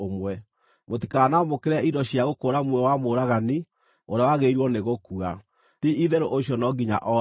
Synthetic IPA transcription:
omwɛ | motikaːnamokeɾɛidɔɕiaɣokoːɾamwɛwamoɾaɣani | oɾeawaɣeiɾwɔneɣokua | tiʔiðɛɾoʔoɕjɔnɔɡiɲa̰ʔɔ

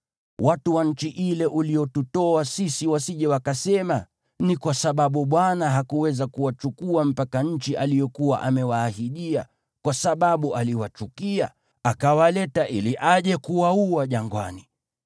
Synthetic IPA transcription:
watuwaɲ̩t͡ʃiʔilɛʔulijɔtutɔasisiwasiʄɛwakasɛma | nikwasaɓaɓuɓwanaɦakuwɛzakuwat͡ʃukuam̩pakaɲ̩t͡ʃiʔalijɔkuwa̰ʔamɛwaːhiɗia̰ | kwasaɓaɓuʔaliwat͡ʃukia | akawalɛtaʔiliʔaʄɛkuwauaʄaŋɡwa̰ni

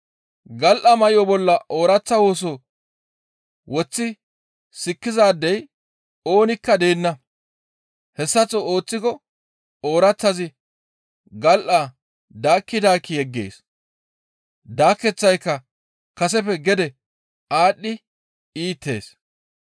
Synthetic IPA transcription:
ɡɐlʔɐmɐjɪɔbɔlːɐʔo̞ːɾɐt͡sːɐwo̞ːs̬o | wɔt͡sːɪ | sɪkːɪzaːd̪ːɛj | o̞ːnɪkːɐd̪eːnːɐ | hɛsːɐt͡sːooːt͡sːɪkɔ | o̞ːɾɐt͡sːɐzɪ | ɡɐlʔa | d̪aːkːɪd̪aːkːɪjɛɡːe̞̰ːs | d̪aːkːɛt͡sːɐjkːɐ | kɐsɛpɛɡɛd̪ɛ | ʔaːɗːɪ | iːt̪ːe̞̰ːs

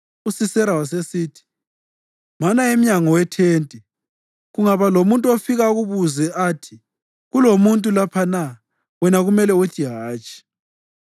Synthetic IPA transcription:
usisɛɾawas̬esiːtʰi̥ | manaem̩ɲaŋɔwɛtʰeːntʼɛ | ɣuŋaβalomuntʼuofiɣauɣuβuzɛʔatʰi̥ | ɣulomuntʼulapʰana | wɛnaɣumɛlɛotʰiɦaːt͡ʃʼi̥

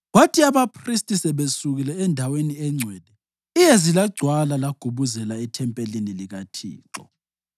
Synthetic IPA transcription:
watʰiaβapʰristʼisɛβesuɣilɛːndʱaweniɛŋ͡ǀʱwɛːd̥ʱɛ | ijezilaɡ͡ǀʱwalalaɡ̥ʱuβuzɛlaɛtʰɛmpʼeliniliɣatʰḭːǁɔ̰

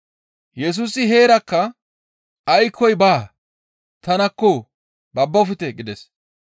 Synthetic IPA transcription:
jɛs̬uːsɪɦe̞ːɾɐkːɐ | ɐjkʰːɔjbaː | t̪ɐnɐkːɔ | bɐbːɐfɪt̪ɛɡɪd̪ɛs

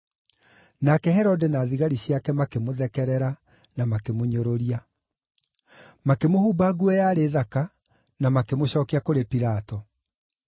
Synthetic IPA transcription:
nakɛhɛɾɔdɛnaːðiɣaɾiɕjakɛmakemoðɛkɛɾɛɾa | namakemoɲoɾoɾia | makemohuːbaɣuɛjaːɾeːðaka | namakemoɕɔːkiakoɾepiɾatɔ

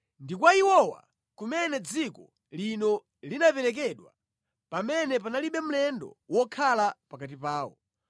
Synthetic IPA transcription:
ndikwaiwɔwa̰ | kumɛnɛd͡zikɔ | linɔ | linapɛɾɛk̬ɛɗwa̰ | pamɛnɛpanaliɓɛm̩lɛndɔ̰wɔkʰalapakat̬ipaːwɔ̰

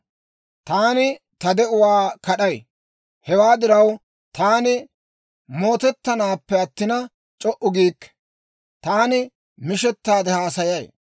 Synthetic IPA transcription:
t̪aːnɪ | t̪ɐd̪ɛʔʊwaːkɐɗɐj | hɛwaːd̪ɪɾɐw | t̪aːnɪ | mo̞ːt̪ɛt̪ːɐnaːpːɛɐt̪ːɪnɐ | t͡ʃʼɔʔʊɡiːkː | t̪aːnɪ | mɪʃɛt̪ːaːd̪ɛhaːsɐjɐj

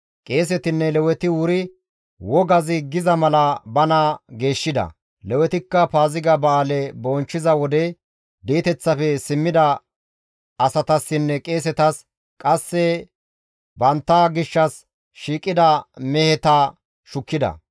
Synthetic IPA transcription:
kʼe̞ːs̬ɛt̪ɪnːɛlɛwɛt̪ɪwʊɾɪ | wɔɡɐzɪɡɪzɐmɐlɐbɐnɐɡe̞ːʃːɪd̪ɐ̰ | lɛwɛt̪ɪkːɐpaːzɪɡɐbɐːlɛbɔnt͡ʃːɪzɐwɔd̪ɛ | d̪iːt̪ɛt͡sːɐfɛsɪmːɪd̪ɐ | ɐsɐt̪ɐsːɪnːɛkʼe̞ːs̬ɛt̪ɐs | kʼɐsːɛ | bɐnt̪ːɐɡɪʃːɐs | ʃiːkʼːɪd̪ɐmɛhɛt̪ɐ | ʃʊkːɪd̪ɐ̰

